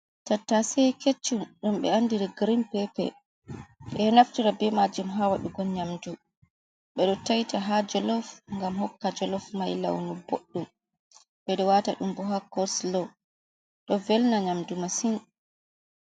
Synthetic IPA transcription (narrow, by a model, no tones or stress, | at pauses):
tatːasɛket͡ʃːumɗɔmɓɛ̰andiɾiɡɾimpɛpɛ̰ | ɓɛnaftiɾabɛmad͡ʒumɦawaɗuɡɔlɲamdu | ɓɛɗɔtajtaɦad͡ʒɔlɔfŋɡamhɔkːad͡ʒɔlɔfmajla̰wnubo̰ɗːum | ɓɛɗɔwataɗumbɔɦakɔɾslɔ | ɗɔvɛlnaɲamdumasin